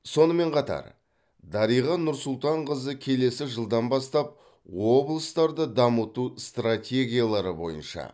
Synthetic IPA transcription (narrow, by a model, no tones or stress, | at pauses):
so̞nəme̞ɴqʰɑt̪ɑ̰ɾ | d̪ɑɾijʁɑnʊɾsʊlˠt̪ɑɴʁəzəkʲʰe̞le̞sɪʒəlˠd̪ɑnbɑst̪ɑp̚ | wo̞blˠəst̪ɑɾd̪əd̪ɑmət̪ust̪ratʲe̞ɡʲijalˠɑɾəbo̞̰jə̰nʃɑ̰